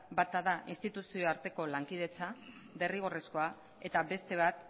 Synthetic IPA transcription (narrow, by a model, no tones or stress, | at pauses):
bat̪aðaʔinst̪it̪usio̞aɾt̪e̞ko̞laŋkiðe̞t͡sa | de̞riɣ̞o̞resko̞a | e̞t̪aβe̞st̪e̞β̞at̪̚